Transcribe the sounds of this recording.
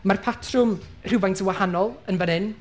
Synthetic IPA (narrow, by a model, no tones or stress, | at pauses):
marpʰatʰrʊmr̥ɪvajntʰəwahanɔlˠənvənɪn